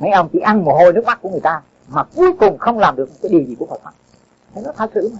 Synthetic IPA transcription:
ma̰˨˦jʔə˧wŋ͡mt͡ɕḭ˧˥ʔa˧nmu˨˩ho˧jnɨ˦˥k̚ma˦˥ku˧˩əŋɨ˨˩əjt̪aː˧ | maː˨˩ku˨˧əjkʊ˨˩ŋ͡mxə˧wŋ͡mlaː˨˩mɗɨ˨˩əkmo˨˩t̚kaː˨˦ɗi˨˩əwzi˨kəha̰ː˨˩wa˦˥k̚ | t̪ʰːnɔ˦˥t̪ʰaː˧˩sɨ̰˧˨˦ma˨˩

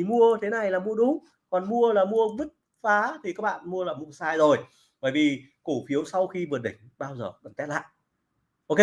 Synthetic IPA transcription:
i˨˩mu˧ət̪ʰe˨˦na˨˩jlaː˨˩mu˧əɗʊ˨˦ŋ͡m | kɔ˨˩nmu˧əlaː˨˩mu˧əvɨ˦˥t̚ | faː˨˦t̪ʰi˨˩kaː˦˥k̚ɓa̰ː˧˨nmu˧əlaː˨˩mu˧əsaː˧jzo˨˩j | ɓə̰ː˧˩jvi˨˩ | ku˧˩fi˨˦əwsa˧wxi˧vɨ˨˩əɗï˧˩ŋ̟ɓaː˧wzəː˨˩kə˨˩nt̪ɛ˦˥t̚la̰ː˧˨ʔ | ʔo˧ke˧

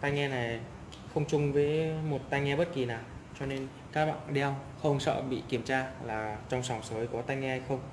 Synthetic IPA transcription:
t̪a˧jŋɛ˧na˨˩j | xə˧wŋ͡mt͡ɕʊ˧ŋ͡mvəː˨˦jmo˨˩t̚t̪a˧jŋɛ˧ɓə˦˥t̚ki˨˩naː˨˩wt͡ɕɔ˧ne˧n | kaː˦˥k̚ɓa̰ː˧˨ŋɗɛ˧w | xə˧wŋ͡msə̰ː˧˨ɓḭ˧˨ki˧˩əmt͡ɕaː˧laː˨˩t͡ɕɔ˧wŋ͡msɔ˨˧˩wŋ͡msəː˨˦jkɔ˨˦t̪a˧jŋŋɛ˧hjxə˧wŋ͡m

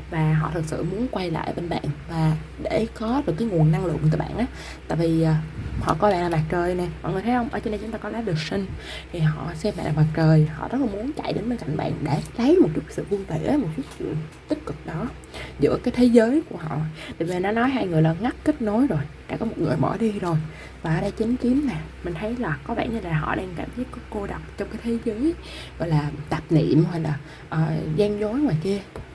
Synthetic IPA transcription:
vaː˨˩ɦɔ̰˧˨t̪ʰɨ˨˩k̚sɨ̰˧˨mu˨˦ənkwa˧jla̰ː˧˨˩jɓe˧nɓa̰ː˧˨nvaː˨˩ | ɗe˧˩kɔ˨˦ɗɨ˨˩kːaː˨˦jŋu˨˩ənːa˧ŋlɨ̰˧˨ʔk̪̚ːɓa̰ː˧˨nʔaː˨˦ | tt̪a̰ː˧˨jviː˨˩˨hɔ̰˧˨kɔ˨˦ɓa̰ː˧˨nlaː˨˩ma˨˩t͡ɕəː˨˩jnɛ˨˩mɔ̰˨ŋɨ˨˩ət̪ʰːhə˧wŋ͡mʔəː˧˩t͡ɕo˧nɗe˧t͡ɕʊ˨˦ŋ͡mt̪aː˧kɔ˨˦laː˨˦ɗɨ˨˩ək̚sï˧ŋ̟ | t̪ʰi˨˩ɦɔ̰˧˨sɛ˧mɓa̰ː˧˨ʔa˨˩ma˨˩k̚t͡ɕəː˨˩jhɔ̰˧˨zɔ̰˧˦˥t̚la˨˩mu˨˦ənt͡ɕa̰˧˨jɗe˨˦nɓe˧nka˧˩jŋ̟ɓa̰ː˧˨nɗe˧˩lə˨˦jmo˨˩t̚t͡ɕu˦˥sɨ̰˧˨vɨ˧əŋve˧˨ʔmo˨˩t̚su˦˥t̚t͡ɕḭ˧˨əŋt̪i˦˥t̚kɨ˨˩k̚ɗɔ˨˦ | zɨ̰˧˥əkaː˨˦jt̪ʰe˨˦zəː˨˦jku˧˩əɦɔ̰˧˨t̪ːvi˨˩nɔ˨˦nɔ˨˦jɦaː˧jŋɨ˨˩əjlaː˨˩ŋa˦˥k̚kə˦˥t̚no˨˦jzo˨˩jɗa̰ː˧˥kɔ˨˦mo˨˩t̚ŋɨ˨˩əjmɔ̰˧˩ɗi˧zo˨˩j | vaː˨˩ʔa˧˩ɗa˧jt͡ɕï˨˦ŋ̟ki˨˦əmna˨˩mï˨˩ŋ̟t̪ʰə˨˦jlaː˨˩kɔ˨˦ɓa̰ː˧˨nɲɨ˧laː˨˩ɦɔ̰˧˨ɗa˧ŋkaː˧˩mʰi˦˥p̚kɔ˨˦ko˧ɗa˨˩wk͡p̚t͡ɕɔ˧wŋ͡mkaː˨˦jt̪ʰe˨˦zəː˨˦j | ɣɔ̰˧˨jlaː˨˩t̪a˨˩p̚nḭ˧˨əmhwa˨˩jlaː˨˩ | ʔəː˨˩zɛ˧ŋzo˨˦jŋwaː˨˩jki˧ə

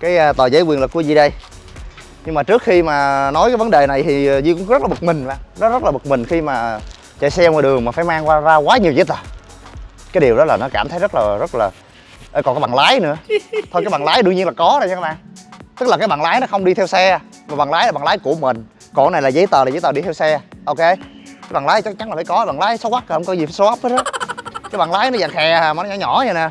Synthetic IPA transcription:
kaː˨˦jt̪əː˨˩zə˨˦jkwi˨˩nlku˧˩əzi˨˩ɗə˧j | ɲɨ˧ŋmaː˨˩t͡ɕɨ˦˥əkxi˧maː˨˩nɔ˨˦jkaː˨˦jvə˨˦nɗe˨˩na˨˩jt̪ʰi˨˩˨zi˧˩kʊ̰˧˥ŋ͡mz̚laː˨˩ə˨˩k̚mï˨˩ŋ̟ɓa̰˧˨˩ŋnɔ˨˦zə˦˥t̚laː˨˩ɓə˨˩k̚mï˨˩ŋ̟xi˧maː˨˩ | t͡ɕa̰˧˩sɛ˧mɔ˨˧˩ɗɨ˨˩əŋmaː˨˩faː˧˩˦jmaː˧ŋkwaː˧zaː˧kwaː˨˦ɲi˨əwzi˨˦t̪əː˨˩ | kaː˨˦jɗi˨˩əwɗɔ˨˦laː˨˩nɔ˨˦kaː˧˩mt̪ʰə˨˦jzə˦˥laː˨˩zə˦˥t̚laː˨˩ | ʔəː˧˩kɔ˨˩kaː˨˦jɓaː˨˩ŋlaː˨˦jnɨ̰˧˥ət̪ʰo˧kaː˦jɓa˨˩ŋlaː˨˦jɗɨ˧əŋɲi˧ənlaː˨˩kɔ˨˦nɔ˨˩za˧˦ɓaː˧˩˨t̪ɨ˦˥k̚la˨˩kaː˨˦jɓaː˨˩ŋlaː˨˦jnɔ˨˦xə˧wŋ͡mɗi˧t̪ʰɛ˧wsɛ˧ | maː˨˩ɓa˨˩ŋlaː˨˦jla˨˩ɓaː˨˩ŋlaː˨˦jku˧˩əmï˨˩ŋ̟ | kɔ̰˧˩na˨˩jlaː˨˩zə˨˦jt̪əː˨˩aː˨˩zə˨˦t̪əː˨˩ɗi˧t̪ʰɛ˧wsɛ˧ʔo˧ke˧ | kaː˨˦ɓa˨˩ŋlaː˨˦jt͡ɕa˦˥k̚t͡ɕa˨˦ŋlaː˨˩faː˧˨˦kɔ˨˦˨ɓaː˨˩ŋlaː˨˦jswa˦˥ka˨˩hə˧wŋ͡mkɔ˨˦zi˨˩faː˧˦so˨˦ʔa˦˥p̚əː˦˥˨kaː˨˦jɓaː˨˩ŋlaː˨˦jnɔ˨˦zaː˧˨ŋxɛ˨˩aː˨˩maː˨˩nɔ˦ɔ˧˦ɲɔ˧˩ɲa˧naː˨˩

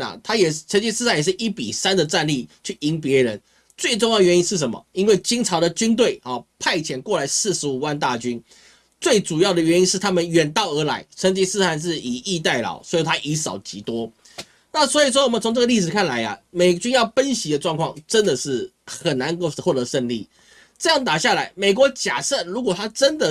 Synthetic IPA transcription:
ɐ̰˨t̪ʰa˥jɛ˨˩˥t͡sʰə˧˥nt͡ɕi˧˥s̩ʰ˥˧a˥˩njɛ˨˩ʂɻ̩˥˩ʔi˥˩pḭ˨˩sa˥˦nd̪ə˨ʈ͡ʂa˥˧nli˥˧t͡ɕʰy˥˩i˧˥np̬jɛ˧˥ɻə˧˦n | t͡swe˥˧ɪʈ͡ʂʊ˥˧ŋjɑ˥˩əɥɛ˧˦ni˥nʂɻ̩˥˩ʂə˧˦nmə̰˨˩i˥nwe˥˩ɪt͡ɕi˥ŋʈ͡ʂʰɑ˧˥ʊd̪ə˨t͡ɕy˥nt̪̬we˥˩ɪɔ˨˩pʰa˥˩ɪt͡ɕʰjɛ˨˩nkwɔ˥˩la˧˥ɪsɹ̩˥˩ʂɻ̩˧˥u˨˩wa˥˧nt̪̬a˥˨t͡ɕy˦n | t͡swe˥˩ɪʈ͡ʂu˨˩jɑ˥˩ʊd̪ə˨ɥɛ˧˥ni˦˥nʂɻ̩˥˩t̪ʰa˥mə˨nɥɛ˨˩nt̪ɑ˥˩ʊə˞˧˥la˧˥ɪʈ͡ʂʰə˧˥ŋt͡ɕi˧˥sɹ̩˥˧xa˥˧nʂ̬ɻ̩˥˩i˨˩i˥˧t̪a˥˩ɪlɑ̰˨˩ʊswɔ˧˥i˨˩t̪ʰa˥ʔi˧˥sɑ˨˩ʊt͡ɕi˧˥t̪wɔ˥ | na˥˨swɔ˧˥i˨˩ʂ̬wɔ˥wɔ˨˩mə˨nt͡sʰo˧˥ŋʈ͡ʂə˥˩ɡə˧li˥˩ʂɻ̩˨˩kʰa˥˩nla˧˦ɪɐ̰˨me˨˩ɪt͡ɕy˥njɑ˥˩ʊfə˦nɕi˧˥d̪ə˧ʈ͡ʂwɑ˥˧ŋkʰwɑ˥˨˩ŋʈ͡ʂə˦˥nd̪ə˨ʂɻ̩˥˩ | xə˨˩na˧˦n˥˧xwɔ˥˩t̪ə˧˦ʂə˥˧nli˥˩ | ʈ͡ʂɤ˥˧jɑ˥˩ŋt̪a˨˩ɕja˥˩la˨˧˥ɪme˨˩ɪk̬wɔ˧˥t͡ɕja˨˩sɤ˥˩lu˧˥k̬wɔ˨˩t̪ʰa˥ʈ͡ʂə˦nd̪ə˨

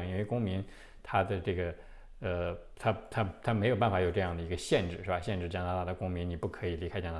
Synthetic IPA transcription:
i˥nwe˥˧ɪkʊ˥ŋmi˧˥n | t̪ʰa˥d̪ə˨ʈ͡ʂɤ˥˩ɡə˩ | ə˧ | t̪ʰa˥t̪ʰa˥t̪ʰa˥me˧˥ɪjo˨˩ʊp̬a˥˩nfa˨˩˥jo˨˩ʊʈ͡ʂɤ˥˧jɑ˥˩ŋd̪ə˩i˧˥ɡə˧ɕjɛ˥˧nʈ͡ʂɻ̩˥˩ɻ̩˥˩ba˧˩ɕjɛ˥˧nʈ͡ʂɻ̩˥˩t͡ɕjɑ˥na˧˥a˥˩d̪ə˩kʊ˥ŋmi˧˥nni˨˩pu˥˩kʰɤ˧˥i˨˩li˧˥kʰa˥ɪt͡ɕjɑ˥na˧˥

